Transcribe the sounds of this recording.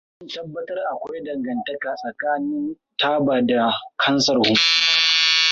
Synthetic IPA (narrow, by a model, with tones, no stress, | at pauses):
zʊ˦n˨tɐ˦bːɐ˦tɐ˦rʔa˨kʷa˦jdɐ˨ŋɡɐ˨ntɐ˦kaː˨sʼɐ˨kaː˦nɪ˦n | tʰaː˦baː˨da˨kʰɐ˦nsɐ˨rhʊ˦mku˦ma˦